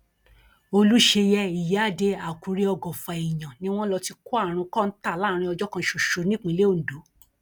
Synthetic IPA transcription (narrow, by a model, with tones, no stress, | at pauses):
o˧lu˦ʃe˧jɛ˦i˨ja˨˦˨de˧a˨ku˨ɾi˦ɔ˧ɡɔ̃˨fa˨i˨j̃ã˨nĩ˧˦w̃ɔ̃˦lɔ˧ti˧ku˦a˦˨ɾ̃ũ˧kɔ˦n̩˦ta˦˨la˦ɾ̃ĩ˧ɔ˧d͡ʒɔ˦kã˧ʃo˨ʃo˨˧˦nĩ˦k͡pĩ˧le˦o˦˨n̩˨do˨˦